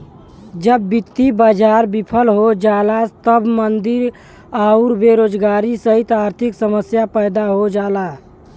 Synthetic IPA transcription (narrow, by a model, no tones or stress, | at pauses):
d͡ʒəbːɪt̪ːibəd͡ʒaːɾbipʰəlɦod͡ʒaːlat̪əbmənd̪ɪɾ | aʊɾbeɾoːd͡ʒɡaːɾisəɦit̪aːɾt̪ʰɪksəməsjapəɪd̪aɦod͡ʒaːla